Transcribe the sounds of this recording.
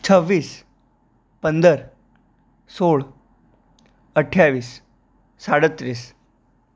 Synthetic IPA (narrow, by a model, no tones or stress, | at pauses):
t͡sʰəʋːiːs | pənd̪əɾ | soɭ | əʈʰjaʋiːsː | aɽət̪ɾiːs